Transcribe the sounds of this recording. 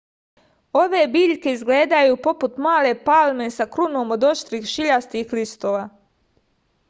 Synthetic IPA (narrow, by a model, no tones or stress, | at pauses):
o̞ʋe̞ːbiːʎke̞izɡle̞ːd̪ajuːpo̞put̪maːle̞palme̞sakɾuno̞ːmo̞d̪o̞ʃt̪ɾiːxʃiʎast̪ixlist̪oːʋaː